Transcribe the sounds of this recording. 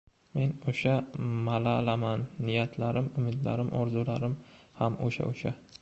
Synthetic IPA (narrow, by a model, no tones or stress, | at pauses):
me̞noʃamalalamanːɪjat̪ʰlaɾɪmʊmɪd̪la̰ɾɪmʔɒɾzulaɾɪmhamoʃa̰ʔoʃa